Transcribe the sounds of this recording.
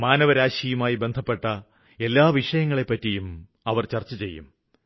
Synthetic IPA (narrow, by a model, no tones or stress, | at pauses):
maːnɐʋɐɾaːɕijumaːjibe̞nd̪ʱɐpːe̞ʈːɐ | elːaːʋiʂɐjɐŋːɐɭe̞pːɐtːijum | ɐʋɐrt͡ɕɐrt͡ɕːɐt͡ɕe̞jːṵm